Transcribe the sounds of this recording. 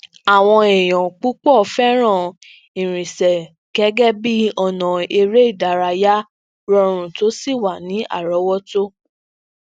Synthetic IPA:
a˨w̃ɔ̃˧e˨j̃ɔ̃˨k͡pu˦k͡pɔ˦˨˦fɛ˦ɾ̃ã˦˨ | ĩ˨ɾ̃ĩ˨sɛ˨ | ɡ̥ɛ˨˦ɡɛ˦bi˦ɔ˧˨nɔ̃˨e˧ɾe˦i˦˨da˨˦ɾa˧ja˦ | ɾɔ˧˦ɾ̃ũ˧to˨˦si˦˨wa˨nĩ˨˦a̰˦˨ɾɔ˨˦wɔ˦to˦

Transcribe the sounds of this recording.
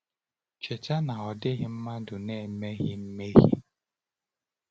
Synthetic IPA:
t͡ʃe˨t͡ʃa˦na˨ɔ˨dɪ˦ɣɪ˦m̩˦ma˦dʊ˨ne˦˨me˦ɣɪ˦m̩˦me˦ɣḭ˦

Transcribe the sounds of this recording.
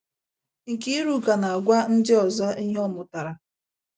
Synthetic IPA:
ŋ̩˨ki˦ɾu˦ka˨na˨a˨ɡʷa˦n̩˦dɪ˦ɔ˨za˦i˦ɦe˦ɔ˦mʊ˨ta˨ɾa˨

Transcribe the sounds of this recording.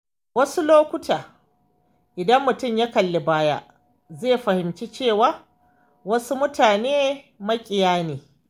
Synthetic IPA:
wɐ˦su˦loː˦kʷʊ˦tʰaː˨ | ʔɪ˨dɐ˦mːʊ˨tʊ˦˨mja˦kɐ˨lːe˨baː˦ja̰˦ʔ | zeː˦˨ɸɐ˨hɪ˨mt͡ʃi˦t͡ʃeː˦˨waː˦ | wɐ˦su˦mʊ˦taː˨neː˦ | mɐ˦kʲʼɪ˨jaː˦neː˨

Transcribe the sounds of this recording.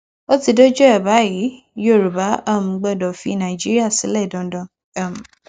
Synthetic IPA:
o˦ti˧do˦d͡ʒu˦ɛ˨ba˨˦ji˨˦ | jo˦˨ɾu˨ba˨˦a˦˨m̩̃˨˧ɡ͡bɛ˧˨dɔ˨fi˧˦nã˨i˨d͡ʒi˦ɾi˦a˦˨sĩ˨˦lɛ˦˨dɔ̃˨˦dɔ̃˧ | a˦˨m̩̃˨

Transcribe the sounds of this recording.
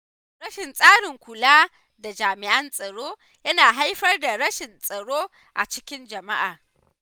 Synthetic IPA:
ɽɐ˦ʃɪ˨nsʼaː˦ɽɪ˨ŋkʷʊ˨laː˦ | da˨d͡ʒaː˨mɪ˨ʔɐ˦nsʼɐ˨ɽoː˦ | jɐ˦naː˨ɦa˦jɸɐ˦rda˨ɽɐ˦ʃɪ˨nsʼɐ˨ɽoː˦ | ʔa̰˨t͡ʃɪ˦kʲɪ˦nd͡ʒɐ˨ma˦ʔaː˨

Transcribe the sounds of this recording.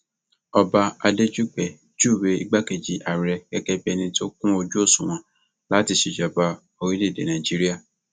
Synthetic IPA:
ɔ˧ba˧a˧de˦d͡ʒu˦k͡pɛ˨ | d͡ʒu˦˨we˨˦i˧ɡ͡ba˦ke˨d͡ʒi˨ʔa˨ɾɛ˧ɛ˦kɛ˧bɛ˧nĩ˧to˦kũ˦o˧d͡ʒu˦o˦˨sũ˨w̃ɔ̃˨˦ | la˨˦ti˧ʃe˨d͡ʒa˨ba˧ | o˧wi˦le˦˨dḛ˨nã˨d͡ʒi˦ɾi˦a˦˨

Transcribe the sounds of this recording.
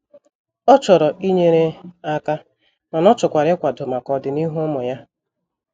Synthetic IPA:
ɔ˦t͡ʃɔ˨ɾɔ˨i˦ɲe˦ɾe˦a˦ka˦ | ma˨nɔ˦t͡ʃʊ˨kʷa˨ɾɪ˦kʷa˨dʊ˨ma˨kɔ˨dɪ˨ni˦ɦu˦ʊ˦mʊ˨ja˦

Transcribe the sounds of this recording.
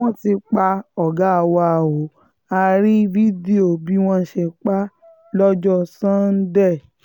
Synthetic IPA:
wɔ̃˦ti˧k͡pa˧ɔ˨ɡa˨˦˧wa˧a˨wo˨˦ | a˧ɾi˦vi˦di˦o˨bi˦w̃ɔ̃˦ʃe˧k͡pa˦ | lɔ˦d͡ʒɔ˦sã˦n̩˦dɛ˦˨

